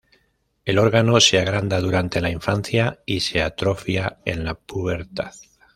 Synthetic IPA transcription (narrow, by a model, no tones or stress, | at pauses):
e̞lo̞ɾɣano̞se̞aɣɾand̪aðuɾant̪e̞laiɱfan̟θjaise̞at̪ɾo̞fjae̞̰nlapuβe̞ɾt̪aθ